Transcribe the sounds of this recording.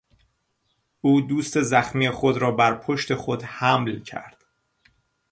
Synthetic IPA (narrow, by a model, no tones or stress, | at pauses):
ʔuːd̪uːst̪e̞zæxmiːexo̞d̪ɾɒːbæɾpʰo̞ʃt̪e̞xod̪hæmlcʰæ̰ɾd̪̥